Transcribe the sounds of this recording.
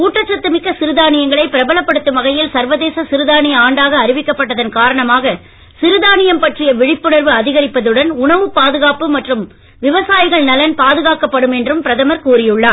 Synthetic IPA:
kuːʈrɐt͡ʃːɐt̪ːɯmɪkːɐsɪɾɯðaːnɪjɐŋɡɐɭɐɪpːɪɾɐbɐlɐpːɐɽɯt̪ːɯʋɐɣɐjɪlsɐɾʋɐðeːsɐsɪɾɯðaːnɪjɐaːɳɖaːɣɐːɾɪʋɪkːɐpːɐʈːɐðɐnkaːɾɐɳɐmaːɣɐ | sɪɾɯðaːnɪjɐmpɐʈrɪjɐʋɪɻɪpːɯɳɐɾʋɯɐðɪɣɐɾɪpːɐðɯɽɐnʊɳɐʋɯpːaːðɯɣaːpɯmɐʈrɯm | ʋɪʋɐsaːjɪɣɐɭnɐlɐnpaːðɯɣaːkɐpːɐɽɯmɛndrɯmpɪɾɐðɐmɐɾkuːɾɪjɯɭːaː

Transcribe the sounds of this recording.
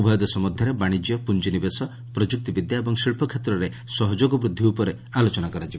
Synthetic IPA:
bʱɔjɔd̪ɔsɔmɔd̪ʱjɔɾebaɽ̃id͡ʒijɔpund͡ʒinibesɔ | pɾɔd͡ʒuk̚t̪ibid̪jaebɔŋsiɭpʰɔkʰet̪ɾɔɾe | sɔɦɔd͡ʒoɡɔbɾud̪ʱːiupɔɾe | alot͡ʃɔnakɔɾad͡ʒibe

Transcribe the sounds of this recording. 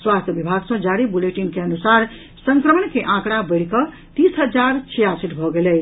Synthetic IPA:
swast̪ʰjəbibʱaɡsʌ̃d͡ʒaɾibuleʈinkeənusaɾ | səŋkɾəməɳkeʔãkɽ̃abəɽkʌ | t̪isɦəd͡ʒaɾt͡ʃʰijasiʈbʱɔɡele

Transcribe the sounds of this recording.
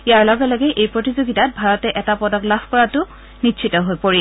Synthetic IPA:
ijaɹlɔɡɛlɔɡɛʔejpɹotizoɡitat̚bʱaɹɔtɛʔɛtapɔdɔklabʰʱkɔɹatʊ | nitːʃʰitɔɦojpoɹi

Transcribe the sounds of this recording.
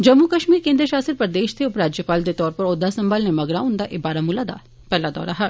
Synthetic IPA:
d͡ʒɐmːukɐʃmiːɾkẽːnd̪ɾəʃaːsɪɾpɐɾd̪eːʃt̪ʰeʊpɾaːd͡ʒjəpaːld̪et̪ɔːɾpɐɾɔːd̪ːasɐ̃mbaːlnemɐɡɾaʊ̃nd̪aʔɪbaːɾamʊlad̪a̰ː | pɛɦlad̪ɔ̰ːɾaɦɐ

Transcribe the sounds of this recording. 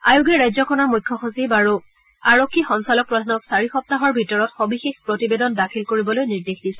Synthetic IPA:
ajuɡɛɹajzɔkʰɔnɔɹmujkʰːɔxusibaɹu | aɹokʰːixɔŋsalɔk̚pɹɔdʱanɔksaɹixɔp̚taɦɔɹbʱitɔɹɔtxobixexpɹotibedɔndakʰilkoɹibɔlojniɹdexdisɛ

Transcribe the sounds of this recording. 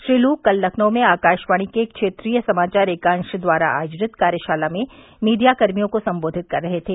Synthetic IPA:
ʃɾiːluːkːɐlːɐkʰnõmẽaːkaːʃʋaːɽ̃ikekʃeːt̪ɾiːjəsɐmaːt͡ʃaːɾeːkãnʃəd̪ʋaːɾa̰ʔa̰ːjd͡ʒɾɪt̪kaːɾjəʃaːlamẽ | miːd̪ijakɐɾmijõkosɐ̃mboːd̪ʱɪt̪̚kɐɾːɐɦet̪ʰeː

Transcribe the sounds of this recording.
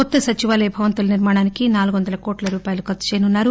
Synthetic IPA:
kɔt̪ːɐsɐt͡ʃiʋaːleːbʱɐʋɐnt̪ulɐniɾmaːɽaːnikinaːluɡuʋɐnd̪ɐlɐkoːʈlɐɾuːpaːjɐlukɐt̪ːu̥t͡ʃeɛjnunːaːɾu

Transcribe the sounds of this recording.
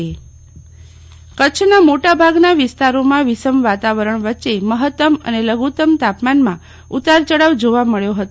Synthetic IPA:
e | kətːt͡ʃʰnamoʈabʱaɡnaʋɪst̪aɾomãʋɪsəmʋat̪aʋəɾəɳ̃ʋətːʃeməɦət̪ːəmə̰neləɡut̪əmt̪apmanmã | ut̪aɾt͡ʃəɽaʋd͡ʒoʋaməɭjoɦət̪o

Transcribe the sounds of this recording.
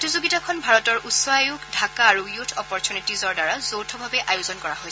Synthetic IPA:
tizuɡitakʰɔnbʱaɹɔtɔɹʔusɔajukdʱakaːɹujutʰɔpɔɹtʰunitizɔɹdaɹazowtʰɔbʱabɛʔajʊzɔnkɔɹaɦojɛ

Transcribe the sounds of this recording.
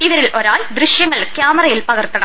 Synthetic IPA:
ɪʋɐɾɪlʔɔɾaːɭd̪ɾɪʂjɐŋːɐɭkjaːmɐɾɐjɪlpɐɣɐrt̪ːɐɳɐm

